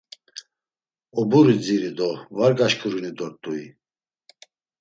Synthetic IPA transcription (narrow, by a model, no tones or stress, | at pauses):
ɔbuɾid͡ziɾid̪ɔvaɾɡaʃkʰʼɾunid̪ɔɾt̪ʼuḭ